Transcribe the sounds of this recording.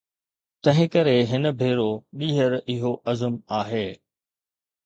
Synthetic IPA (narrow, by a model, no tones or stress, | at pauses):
t̪ɐ̃ɦɪ̃kɐɾeɦɪnə̆bʱeːɾoɗiːɦəɾɪɦoʔɐzəmaːɦeː